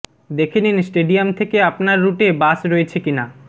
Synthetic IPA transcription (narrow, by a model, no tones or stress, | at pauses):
d̪ekʰeninsʈeɖijamt̪ʰekeapnaɾːuʈebasɾoet͡ɕʰekina